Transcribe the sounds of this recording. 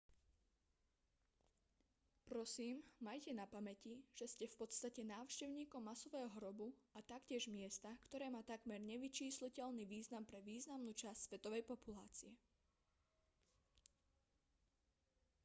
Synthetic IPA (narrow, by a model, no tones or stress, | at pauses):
pɾɔsiːmmajcɛnapamɛciʒ̥ɛscɛfpɔt̪st̪acɛnaːʊʃcɛʊɲiːkɔmːasɔʋɛːɦɔɦɾɔbuat̪akcɪɛʒmɪɛst̪akt̪ɔɾɛːmaːt̪aɡmɛɾɲɛʋit͡ʃiːslicɛʎniʋiːznampɾɛʋiːznamnuːt͡ʃasʲsʋɛt̪ɔʋɛjpɔpulaːt͡siɛ